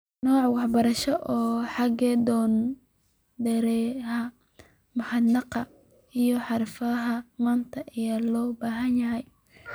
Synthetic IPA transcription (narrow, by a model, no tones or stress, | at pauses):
nɔːʕwɑħbɐɾɐʃɔʔɔːħɑɡɛd̪ɔːn | d̪ɛɾɛɦɐ | mʊħɑd̪nɑqɑ | ijɔħɑɾfɐɦɐmaːnt̪ʰɐʔɪjalɔːbaːɦɐnjɐɦɛj